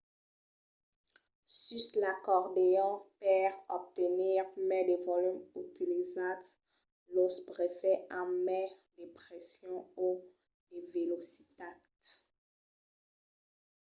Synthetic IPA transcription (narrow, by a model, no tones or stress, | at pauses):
syslakɔʁd̪eɔ̃pɛʁɔp̚t̪eniʁmɛ̃d̪evɔlymyt̪ilizat̪ | lospʁefɛʔãmɛd̪epχɛsjɔ̃u | d̪evelosit̪a | t̪